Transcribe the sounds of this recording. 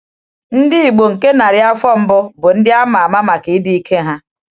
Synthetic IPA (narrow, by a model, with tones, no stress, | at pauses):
n̩˦dɪ˦i˨ɡ͡bo˨ŋ̩˨ke˦na˨ɾɪ˦a˦fɔ˦m̩˦bʊ˦bʊ˨n̩˦dɪ˦a˦ma˨ma˦ma˨ki˨˦di˦i˦kʰe˦ɦa˦